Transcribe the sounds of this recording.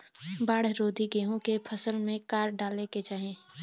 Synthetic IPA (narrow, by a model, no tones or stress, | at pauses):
baːɽɾoːd̪ʱiɡeːɦõkepʰəsəlmẽkaːɾɖaːleked͡ʒaːɦẽː